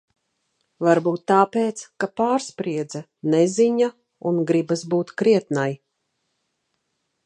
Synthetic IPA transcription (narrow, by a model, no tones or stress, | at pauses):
vaɾbuːt̪ːaːpeːt̪skapaːɾspɾiɛd̪za | nɛziɲa | unɡɾibasbuːt̪kɾiɛt̪naj